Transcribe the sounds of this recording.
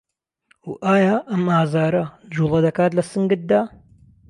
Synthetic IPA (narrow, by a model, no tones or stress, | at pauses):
wʔaːjaːʔɐmaːzaːɾɐd͡ʒuːlˠɐd̪ɐkaːt̪lɐsɨŋɡɨt̪̚d̪aː